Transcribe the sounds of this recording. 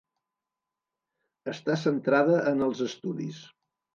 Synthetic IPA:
əst̪asənt̪ɾaðəʔənəlˠzəst̪uðḭs

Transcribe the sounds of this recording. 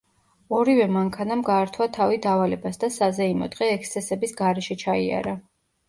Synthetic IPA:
ɔɾivɛmaŋkʰanamɡaːɾt̪ʰwat̪ʰavid̪avalɛbasd̪asazɛimɔ̰d̪̥ʁɛːkst̪sʰɛsɛbisɡaɾɛʃɛt͡ʃʰaia̰ɾa

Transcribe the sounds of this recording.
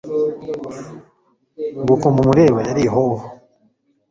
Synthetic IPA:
bukomumuɾeβajaɾiɦoho

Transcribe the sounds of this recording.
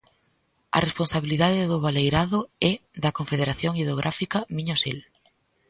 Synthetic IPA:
ɐ̰responsaβiliðaðɪðʊβalejɾaðʊɛðɐkoɱfeðeɾaθjoŋieðoɣ̞ɾʔafikɐmiɲosḛl

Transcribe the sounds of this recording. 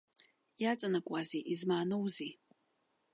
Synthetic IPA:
jat͡sʼanakʷʼaziʔizmaːnowzi

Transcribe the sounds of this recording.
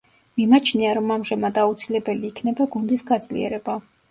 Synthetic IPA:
mimat͡ʃʰniaɾɔmamʒɛmad̪aut̪sʰilɛbɛliːkʰnɛbaɡund̪isɡad̪z̥lḭɛ̰ɾɛba

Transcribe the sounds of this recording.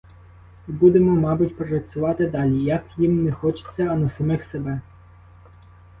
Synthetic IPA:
bud̪emɔmɑbʊtʲpɾɾɐtt͡sʲʊʋɑt̪ɪd̪ɑlʲijɐkjimnɛxɔt͡ʃɪ̥t͡sʲːɐːnɐsɐmɪxsebɛ

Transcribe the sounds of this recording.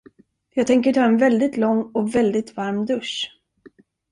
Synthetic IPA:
jɑːɡt̪ʰɛŋkəʈʰɑːɛnvɛld̪ɪt̪lɔŋːɔvɛld̪ɪt̪vaɾmd̪ɵʂ

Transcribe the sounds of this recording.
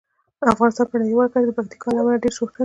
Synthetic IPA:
afɣɑnɪst̪ɑnpəɳajwaɾkad̪əpak̚t̪i̥kʰɑlamɑɾaɖeɾʃoxt̪a

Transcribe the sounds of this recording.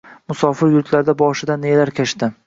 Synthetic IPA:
mʊsɒfɪɾjʊɾt̪ʰlaɾd̪abɒʃɪd̪anelaɾkʲʰaʃt̪ɪ

